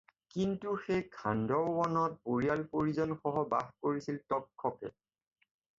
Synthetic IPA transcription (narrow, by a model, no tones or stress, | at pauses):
kintuxejkʰandɔɹwɔnɔt̚boɹijalpoɹizɔnxɔɦɔba̰xkoɹisiltɔkʰːɔkɛ̰